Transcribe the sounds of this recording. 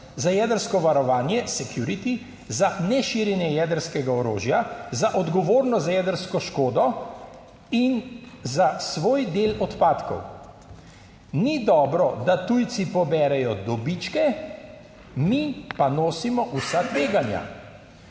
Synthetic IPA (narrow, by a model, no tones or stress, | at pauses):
zajɛd̪əɾskɔʋaɾɔʋaːnjɛsɛkjuɾit̪i | zanɛʃiːɾjɛnjɛjɛd̪əɾskɛɡaɔɾoːʒjazaʔɔd̪ɡɔʋoːɾnɔzajɛd̪əɾskɔʃkoːd̪ɔ | inzasʋoːjd̪eːlɔt̪paːt̪kɔ̰w | nid̪ɔːbɾɔd̪at̪ujt̪sipɔbɛːɾɛjɔd̪ɔbit͡ʃkɛ | mipanoːsimɔʔusat̪ʋeːɡanja̰